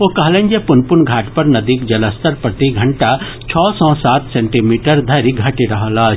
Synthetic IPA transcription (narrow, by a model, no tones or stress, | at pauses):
okɐɦlẽnd͡ʒepʊnpʊnɡʱaːʈpɐɾnɐd̪iːkd͡ʒɐləst̪əɾpɾɐt̪iɡʱɐɳʈa | t͡ʃʰɔːsɔ̃ːsaːt̪sẽɳʈimiːʈəɾd̪ʱɐɾiɡʱɐʈiɾɐɦəlaːt͡ʃʰ